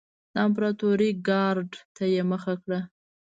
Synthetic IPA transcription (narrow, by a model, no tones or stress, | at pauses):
d̪̥əamp̬ɾɑt̪oɾiɡɑɾɖt̪ajeməxakɽa